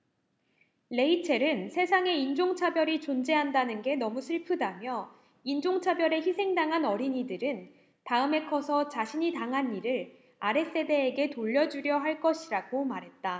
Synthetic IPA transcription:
le̞it͡ɕʰe̞ɾɯnsʰe̞sʰaŋe̞ind͡ʑoŋt͡ɕʰabjʌɾit͡ɕond͡ʑe̞ɦandanɯnɡe̞nʌmusʰɯɭpʰɯdamjʌ | ind͡ʑoŋt͡ɕʰabjʌɾe̞çisʰe̞ŋdaŋɦanʌɾiɲidɯɾɯn | taɯme̞kʰʌsʰʌt͡ɕaɕʰiɲitaŋɦanːiɾɯɭ | aɾe̞s͈e̞de̞ːɡe̞toʎːʌd͡ʑuɾjʌɦaɭk͈ʌɕʰiɾaɡomaɾɦe̞t̚t͈a

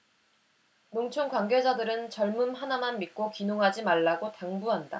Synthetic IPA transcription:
noŋt͡ɕʰoŋkwaŋɡe̞d͡ʑadɯɾɯnt͡ɕʌɭmɯmɦanamanmik͈okinoŋɦad͡ʑimaɭːaɡotaŋbuɦanda̰

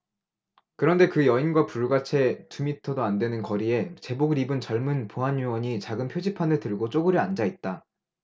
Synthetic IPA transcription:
kɯɾʌnde̞kɯjʌinɡwapuɭɡat͡ɕʰe̞tumitʰʌdoandwe̞nɯnkʌɾie̞t͡ɕe̞boɡɯɾibɯnt͡ɕʌɭmɯnpoɦanjuwʌɲit͡ɕaɡɯmpʰjod͡ʑipʰanɯɭtɯɭɡot͡ɕ͈oɡɯɾɯand͡ʑait̚t͈a

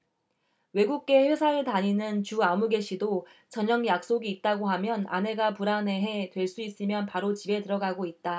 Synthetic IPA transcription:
we̞ɡuk̚k͈e̞ɸwesʰaɯɭtaɲinɯnt͡ɕuamuɡe̞ɕʰido | t͡ɕʌɲʌŋjak̚s͈oɡiːt̚t͈aɡoɦamjʌna̰ne̞ɡapuɾane̞ɦe̞twe̞ɭs͈uis͈ɯmjʌnpaɾot͡ɕibe̞tɯɾʌɡaɡoit̚t͈a

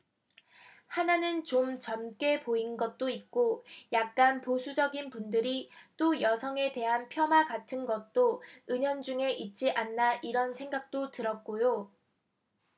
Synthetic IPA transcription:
hananɯnt͡ɕomt͡ɕʌmk͈e̞poinɡʌt̚t͈oit̚k͈ojak̚k͈anposʰud͡ʑʌɡinpundɯɾit͈ojʌsʰʌŋe̞te̞ɦanpʰjʌmaɡatʰɯnɡʌt̚t͈oɯɲʌnd͡ʑuŋe̞ʔit̚t͡ɕ͈iʔanːaʔiɾʌnsʰe̞ŋɡak̚t͈otɯɾʌt̚k͈ojo

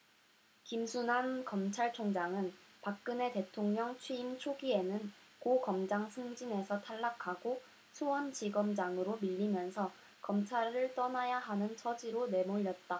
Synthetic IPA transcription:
kimsʰunɦankʌmt͡ɕʰaɭt͡ɕʰoŋd͡ʑaŋɯnpak̚k͈ɯne̞te̞tʰoŋɲʌŋt͡ɕʰwiːmt͡ɕʰoɡie̞nɯnkoɡʌmd͡ʑaŋsʰɯŋd͡ʑine̞sʰʌtʰaɭːakʰaɡo | sʰuwʌnd͡ʑiɡʌmd͡ʑaŋɯɾomiʎːimjʌnsʰʌ | kʌmt͡ɕʰaɾɯɭt͈ʌnajaɦanɯnt͡ɕʰʌd͡ʑiɾone̞moʎːʌt̚t͈a

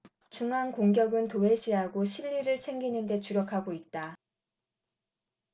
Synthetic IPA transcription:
t͡ɕuŋɦankoŋɡjʌɡɯntoe̞ɕʰiɦaɡoɕʰiʎːiɾɯɭt͡ɕʰe̞ŋɡinɯnde̞t͡ɕuɾjʌkʰaɡoit̚t͈a

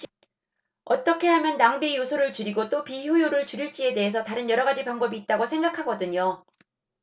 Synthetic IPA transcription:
ʌt͈ʌkʰe̞ɦamjʌnːaŋbijosʰoɾɯɭt͡ɕɯɾiɡot͈opijujoɾɯɭt͡ɕuɾiɭt͡ɕ͈ie̞de̞ɦes̬ʰʌtaɾɯnjʌɾʌɡad͡ʑipaŋbʌbiːt̚t͈aɡosʰe̞ŋɡakʰaɡʌdɯɲo

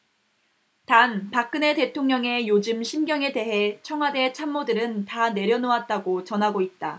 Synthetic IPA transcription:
tanpak͈̚ɯne̞te̞tʰoŋɲʌŋe̞jod͡ʑɯmɕʰimɡjʌŋe̞de̞ɦe̞t͡ɕʰʌŋɦwade̞t͡ɕʰamːodɯɾɯntane̞ɾjʌnoat̚t͈aɡot͡ɕʌnɦaɡoit̚t͈a

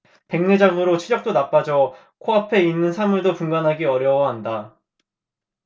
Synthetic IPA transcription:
pe̞ŋned͡ʑaŋɯɾot͡ɕʰiʎjʌk̚t͈onap͈ad͡ʑʌ | kʰoapʰe̞inːɯnsʰamuɭdopuŋɡanɦaɡiʌɾjʌwʌɦanda

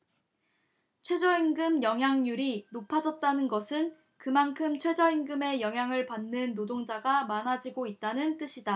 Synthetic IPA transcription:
t͡ɕʰwe̞d͡ʑʌinɡɯmjʌŋɦjaŋɲuɾinopʰad͡ʑʌt̚t͈anɯnɡʌsʰɯn | kɯmankʰɯmt͡ɕʰwe̞d͡ʑʌiŋɡɯme̞jʌŋɦjaŋɯɭpanːɯnːodoŋd͡ʑaɡamanad͡ʑiɡoit̚t͈anɯnt͈ɯɕʰida

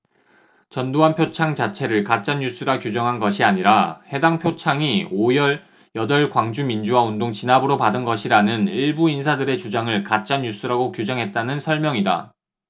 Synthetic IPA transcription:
t͡ɕʌndoɦanpʰjot͡ɕʰaŋt͡ɕat͡ɕʰe̞ɾɯɭkat͡ɕ͈anːjus͈ɯɾakjud͡ʑʌŋɦanɡʌɕʰiaɲiɾahe̞daŋpʰjot͡ɕʰaŋiojʌɭ | jʌdʌɭkwaŋd͡ʑumind͡ʑuwaondoŋt͡ɕinabɯɾopadɯnɡʌɕʰiɾanɯniɭbuinsʰadɯɾe̞t͡ɕud͡ʑaŋɯɭkat̚t͡ɕ͈anjus͈ɯɾaɡokjud͡ʑʌŋɦe̞t̚t͈anɯnsʰʌɭmjʌŋida̰

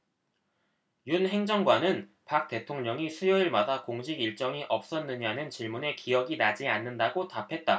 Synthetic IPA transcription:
junhe̞ŋd͡ʑʌŋɡwanɯn | pak̚t͈e̞tʰoŋɲʌŋisʰujoiɭmadakoŋɕʰiɡiɭt͡ɕ͈ʌŋiʔʌp̚s͈ʌnːɯɲanɯnt͡ɕiɭmune̞kijʌɡinad͡ʑianːɯndaɡotapʰe̞t̚t͈a

